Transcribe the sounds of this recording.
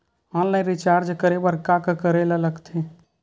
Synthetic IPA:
ãllaj̃ɾɪt͡ʃaːɾd͡ʒkəɾebəɾkakəkəɾelaləɡt̪ʰẽ

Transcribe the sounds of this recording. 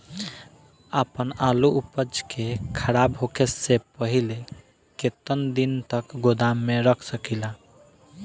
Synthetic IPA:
apənaluupəd͡ʒkekʰəɾabɦokʰesepəɦile | ket̪ənd̪int̪əkɡod̪amːeɾəkʰsəkila

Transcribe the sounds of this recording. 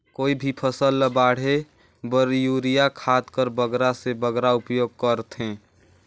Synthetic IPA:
koːibʱipʰəsəlːəbaːɽ̤e | bəɾjuːɾijakʰaːt̪kəɾbəɡɾasebəɡɾaʊpjoːɡ̚kəɾt̪ɦɛ̃ː

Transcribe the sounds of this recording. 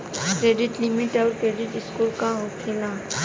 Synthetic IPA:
kɾeːɖɪʈlɪmɪʈɔːɾkɾeːɖɪʈɪskuːlkaɦot̪ʰila

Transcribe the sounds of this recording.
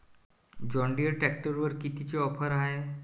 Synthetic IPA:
d͡ʑɔɳɖiəʈɾɛk̚ʈəɾʋəɾkit̪it͡ɕeɔpʰəɾaɦe

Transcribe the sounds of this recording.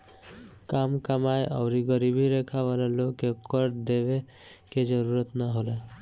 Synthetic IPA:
kamkamajʔɔ̰ʊɾiɡəɾibʱiɾekʰaʋalalokːekɔɾd̪ebe | ked͡ʒəɾuɾət̪naɦola

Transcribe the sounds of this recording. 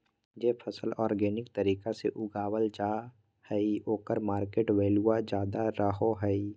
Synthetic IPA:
d͡ʒeːpʰəsəlɔːɾɡɛːnɪkt̪əɾiːkaseʔʊɡaːwəld͡ʒaː | hɛioːkəɾmaːɾkeːʈweːluad͡ʒjaːd̪aɾəɦoɦɛi

